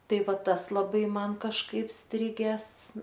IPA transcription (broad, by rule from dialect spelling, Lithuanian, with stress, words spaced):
ˈtɐɪ ˈʋɐt ˈtɐs lˠɐˈbɐɪ ˈmɐn kɐʃˈkɐɪp ˈsʲtʲrʲɪɡʲæːs